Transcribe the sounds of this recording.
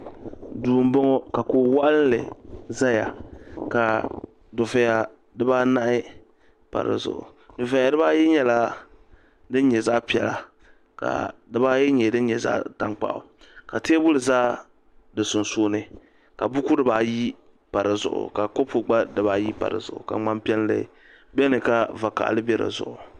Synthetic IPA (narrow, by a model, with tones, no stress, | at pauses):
duː˨m˦bɔ˦ŋɔ˦ka˨koː˨wa˦ʔllɨ̰˨za˦ja̰˨ka˨ | dʊ˨vɛ˨ja˨ | dɨ˦baː˦na˦ʔɪ˦ | pa̰˨ɾɨ̰˨zʊ̰˨ʔʊ̰˨ | dʊ˨vɛ˨ja˨dɨ˦ba˦jɛ˦ɲɛ˦la˦ | dɨ˦n˦ɲɛ˨za˦ʔpi˨ɛ˨la˨ | ka̰˨dɨ˦ba˦jɛ˦ɲɛ˨dɨ˦n˦ɲɛ˨za̰ː˦ta˦ŋk͡pa̰˦ʔʊ̰˨ | ka˨ti˦e˦bʊ˦lɨ˨zaː˦ | dɨ˨sʊ˨nsoː˦nɨ˦ | ka˨bʊ˦ku˦dɨ˦baː˨ji˦ | pa˨ɾɨ˨zʊ̰˨ʔʊ̰˨ka˨ko˦pʊ˨ɡ͡ba˦dɨ˨baː˦ji˦pa̰˨ɾɨ̰˨zʊ̰˨ʔʊ̰˨ka̰˨ŋ͡ma˦mpi˦ɛ˦n˦lɨ̰˨ | bɛ˦nɨ˨ka˦va˨ka̰˨ʔlɨ˦bɛ˦ɾɨ̰˨zʊ̰˨ʔʊ˨